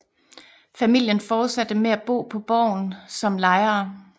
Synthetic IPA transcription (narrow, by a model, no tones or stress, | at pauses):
fæmil̰jənfɒːd̥sæd̥əmeæb̥o̝̰ːpʰɒ̽b̥ɒ̰ːʊnsɒ̽mlɑ̈ɪɐː